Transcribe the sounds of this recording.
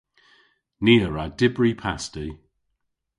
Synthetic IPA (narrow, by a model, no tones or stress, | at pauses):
niəɹadɪbɹipʰasti